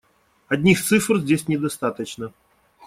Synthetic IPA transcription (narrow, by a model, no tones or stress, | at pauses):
ɐd̪ʲnʲixt̪sɨfr̩zʲd͡zʲesʲnʲɛd̪ast̪at̪ət͡ɕnə